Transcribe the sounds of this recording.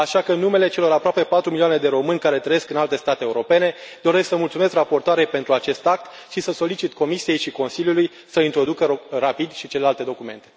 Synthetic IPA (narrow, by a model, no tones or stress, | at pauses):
aʃakənːume̞le̞t͡ʃe̞lo̞ɾapɾoape̞pat̪ɾumilioaned̪e̞ɾo̞mɨnʲkaɾe̞t̪ɾəje̞skɨnalt̪e̞st̪at̪eːuɾo̞pe̞ne̞d̪o̞ɾe̞sksəmult̪sume̞skrapo̞rt̪oaɾe̞jpe̞nt̪ɾuat͡ʃe̞st̪ak̚t̪ | ʃisəso̞lit͡ʃit̪ko̞misije̞jʃiko̞nsiljuluj | səint̪ɾo̞d̪ukərapid̪ʃit͡ʃe̞le̞lalt̪e̞d̪o̞kume̞̰nt̪e̞